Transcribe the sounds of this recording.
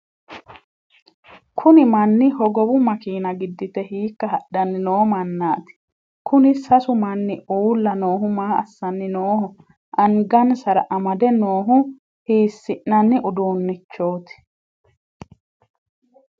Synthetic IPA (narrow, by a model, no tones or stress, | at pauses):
kʰʊnɪmɐnːɪɦɔɡɔbʊmɐkiːnɐɡɪd̪ːɪt̪ɛhiːkːɐɦɐɗɐnːɪnoːmɐnːaːt̪ɪ̥ | kʰʊnɪsɐsʊmɐnːɪuːlːɐno̞ːɦʊmaːɐ̰sːɐnːɪnoːhʊ | ʔɐŋɡɐnsɐɾɐʔɐmɐd̪ɛno̞ːɦʊ | hiːsːɪʔnɐnːɪʔʊd̪uːnːɪt͡ʃːo̞ːt̪ɪ̥